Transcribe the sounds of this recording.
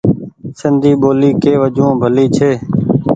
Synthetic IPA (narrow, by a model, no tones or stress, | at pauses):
sənd̪iːɓoːliːkeːʋəd͡ʒõːbʱəliːt͡ʃʰeː